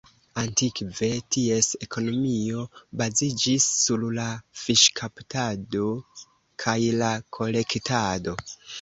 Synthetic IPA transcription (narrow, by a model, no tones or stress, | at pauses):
antikve̞tie̞se̞kʰo̞no̞mio̞bazid͡ʒisːullafiʃkʰaptado̞ | kʰajlakʰo̞le̞ktado̞